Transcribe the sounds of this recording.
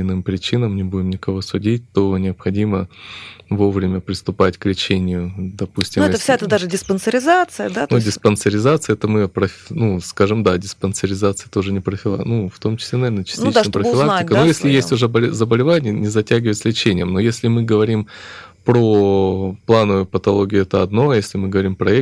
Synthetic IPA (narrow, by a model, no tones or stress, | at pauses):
ɪnɨmpɾʲɪt͡ɕinəmnʲɪbudʲɪmnʲɪkɐvo̞sʊdʲit̚ʲt̪onʲɪɐpxɐdʲimə | vo̞vɾʲɪmʲəpɾʲɪst̪ʊpatʲklʲɪt͡ɕenʲɪjʊd̪ɐpusʲtʲɪmɛt̪əfsʲɛt̪əd̪aʐɨdʲɪspənsəɾʲɪzat̪sɨjəd̪at̪ndʲɪspənsəɾʲɪzat̪sɨəɛt̪əmɨpɾəfʲnuskaʐɨmd̪adʲɪspənsəɾʲɪzat̪sɨjət̪o̞ʐɨnʲɪpɾəfʲɪlˠa̰nuft̪o̞mt͡ɕɪsʲlʲenɐvʲenət͡ɕɪ̥sʲtt̪ʲit͡ɕd̪jəpɾəfɪlˠak̚t̪ʲɪkənojesʲlʲɪjesʲtʲʊʐəbəlʲzəbəlʲɪvanʲɪjənʲɪzɐtʲæɡʲɪvəjt̪səlʲɪt͡ɕenʲɪjəmnojesʲlʲɪmɨɡəvɐɾʲim | pɾoplˠanəvʊjʊpət̪ɐlˠoɡʲɪʊɛt̪əɐd̪no̞jesʲlʲɪmɨɡəvɐɾʲimpɾɐɛ